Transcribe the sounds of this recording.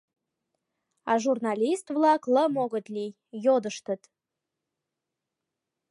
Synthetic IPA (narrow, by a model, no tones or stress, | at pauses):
ɑʒurnɑlʲist̪vlˠɑkləmoɣə̆t̪lʲi | jod̪əʃt̪ət̪